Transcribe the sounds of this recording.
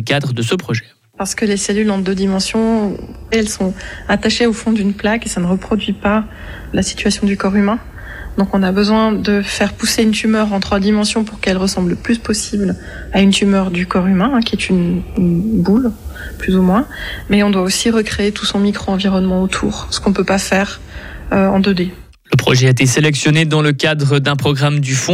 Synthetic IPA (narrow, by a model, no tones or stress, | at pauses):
kad̪ʁəd̪əsəpχɔʒɛ | paʁsə̥kəleselylɑ̃d̪ød̪imɑ̃sjɔ̃ | ɛlsɔ̃at̪aʃeofɔ̃d̪ynplakesanəʁəpχɔd̪ɥipa | lasi̥t̪ɥasjɔ̃d̪ykɔʁymɛ̃ | d̪̥ɔ̃kɔ̃nabəzwɛ̃d̪əfɛʁpuseynt̪ymœʁɑ̃t̪χwad̪imɑ̃sjɔ̃puʁkɛlʁəsɑ̃bləplyspɔsibl | aynt̪ymœʁd̪ykɔʁymɛ̃ɛ̃kʲiɛt̪ynnbulplyzumwɛ̃mɛɔ̃d̪waosiʁəkχeet̪usɔ̃mikχoɑ̃viʁɔnmɑ̃ot̪ʰṵːʁsə̥kɔ̃pøpafɛːʁ | øɑ̰̃d̪ød̪e | ləpχɔʒɛaet̪eselɛksjɔned̪ɑ̃ləkad̪ʁəd̪ɛ̃pχɔɡʁamd̪yfɔ̃